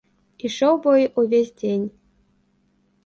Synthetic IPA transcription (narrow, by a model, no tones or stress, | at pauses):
iʃowbojʔuvʲesʲdʲenʲ